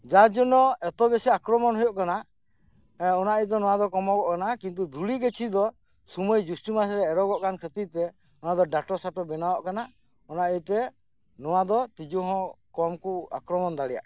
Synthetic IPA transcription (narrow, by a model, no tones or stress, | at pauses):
d͡ʒad͡ʒɔnɔɛt̪ɔbɛsɛakɾɔmɔnɦujɔʔkana | ɔnaʔɛjt̪̬ɛnɔwad̪ɔkɔmɔɡɔʔkanakint̪̬ud̪ʱuɽiɡet͡ʃʰid̪ɔ | sumɔjd͡ʒusʈimas̬ɾɛːɾɔɡɔʔkankʰət̪it̪ɛ | ɔnad̪ɔɖaʈɔsaʈɔbɛnawɔʔkana | ɔnaʔɛt̪ɛ | nɔwad̪ɔt̪id͡ʒɔɦɔ̃ | kɔmkua̰kɾɔmɔnd̪aɽɛja̰ʔ